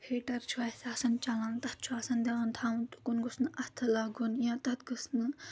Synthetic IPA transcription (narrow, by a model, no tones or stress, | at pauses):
hʰeʈɐɾt͡ʃʰwaːsaːsɐnt͡ʃalãnt̪ɐt̪̚t͡ʃʰuaːsɐnd̪eant̪ʰaːwunt̪u̥kunɡusnɨʔɐt̪ʰɨlaɡunjãːt̪ɐt̪ɡɨsnɨ